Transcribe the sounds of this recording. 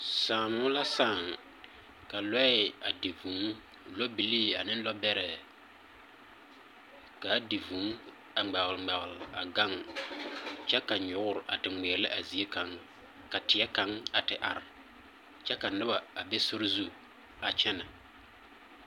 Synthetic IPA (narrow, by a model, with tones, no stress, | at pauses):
saː˨mʊ˦la˦saː˦˨ŋ | ka˨lɔ˦ɪ˦˨a˨di˨vu˨˦ŋ | lɔ˦bi˨li˦a˨nɪ˦n˦lɔ˦bɛ˦ɾɛ˨ | ka˨˦di˨vu˨˦ŋ | a˨ŋ͡mɛ˨ɣlŋ͡mɛ˨ɣɪ˨lɪ˨a˨ɡa˦˨ŋ | t͡ʃɛ˦ka˨ɲʊ˨ɡʊ˦ɾʔa̰˨tɪ˨ŋ͡meː˨˦lɪ˦ʔa˨zi˨e˦ka˦ŋ | ka˨tɪ˨˦ɛ˦ka˦ŋa˨tɪ˨ʔa˨ɾɪ˨ | t͡ʃɛ˦ka˨nɪ˦ba˨a˨be˦sʊ˦ɾzu˦ | a˨t͡ʃɛ˦na˨